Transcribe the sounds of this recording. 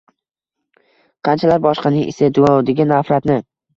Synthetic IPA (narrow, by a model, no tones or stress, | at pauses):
qʰɑnt͡ʃʰalaɾbɒʃqɑnɪŋʔɪ̰sad̪ʊɒwd̪ɪɡʲɪnafɾat̪nɪ